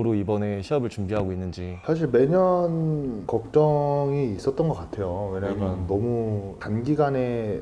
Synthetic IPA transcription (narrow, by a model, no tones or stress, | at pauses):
ɾoibʌne̞ɕʰiʌbɯɭt͡ɕumbiɦaɡoinːɯnd͡ʑisʰaɕ̬ʰiɭme̞ɲʌnkʌk̚t͡ɕ͈ʌŋiːs͈ʌt͈̚ʌnɡʌk͈atʰe̞jowe̞ɲamjʌnːʌmutanɡiɡane̞